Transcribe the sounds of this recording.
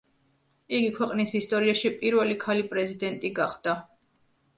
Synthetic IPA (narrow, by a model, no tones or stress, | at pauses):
iɡikʰwɛqʼnisist̪ʼɔɾiaʃipʼiɾvɛlikʰalipʼɾɛzid̪ɛnt̪ʼiɡaχd̪̥a